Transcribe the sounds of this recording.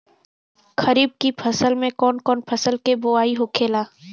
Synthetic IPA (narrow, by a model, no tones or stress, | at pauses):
kɐɾiːb̚kipʰɐsəlmẽkɔːnkɔːnpʰɐsəlkeboaːiɦokʰeːlaː